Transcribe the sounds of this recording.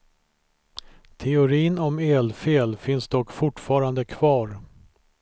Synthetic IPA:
t̪ʰɛʊɾiːnɔmeːlfeːlfɪnsd̪ɔkːfʊʈːfɑːɾand̪əkʰv̥ɑːɾ

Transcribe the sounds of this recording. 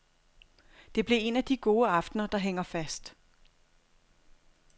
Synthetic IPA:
d̥e̝b̥lie̝næd̥iɡ̥o̝ːəɑ̈fd̥nɐd̥ɑ̈ɦeŋ̰ɐfæsd̥

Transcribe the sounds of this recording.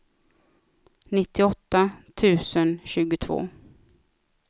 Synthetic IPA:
nɪt̪ːɪɔt̪ːat̪ʰʉ̟ːsənɕʉ̟ːɡʊt̪ʰvo̰ː

